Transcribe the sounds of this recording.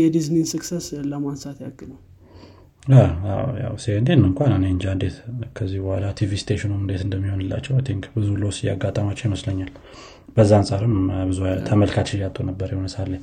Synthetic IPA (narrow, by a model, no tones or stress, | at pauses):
jɛd̪iznisɨksesləmansat̪jaɡːɨnəw | awa̰wja̰wsekənd̪enːɨŋkʷananend͡ʒand̪et̪kʰəzːihbɔhəlat̪ʰivist̪ʰeʃɔnumɨnd̪et̪ɨnd̪əmːiho̞nɨlːa̰t͡ʃːɛwajt̪ʰɪŋkbɨzulosija̰ɡːat̪ʼamat͡ʃːɛwjiməsləɲːal | b̥əzːaansʼaɾɨmbɨzuat̪ʰəməlkʰat͡ʃːɪjat̪ʼonəbːəɾjihonəsalːəɲ